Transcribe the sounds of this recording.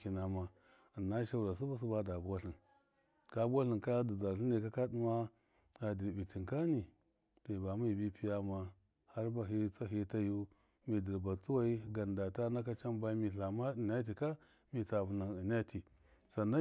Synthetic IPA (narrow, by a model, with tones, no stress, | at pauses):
ki˨na˨ma˦˨ | nːa˦ʃa˦u˦ɾa˨s̬u˦ba˦s̬u˦ba˦da˨bu˦wa˦ɬi˨n | ka˦bu˦wa˦ɬi˨nka˦di˨za˨ɾɬi˦ni˨ka˦ka˦di˦ma˦ | a˨di˨bi˨ti˨ŋka˦ni˨ | ta˨i˨ba˨mu˦i˨bi˦pi˦ja˦ma˦ | ha˦ɾba˨ɦi˦t͡sa˦ɦi˦ta˦ju˦ | mi˨di˨ɾba˨t͡su˦wa˦i˦ɡa˨nda˨ta˦na˦ka˦t͡ʃa˦mba˦i˦mi˨ɬa˨ma˦˨na˦t̬i˨ka˦ | mi˨ta˨bu˨na˨ni˨na˦ti˨ | sa˨na˦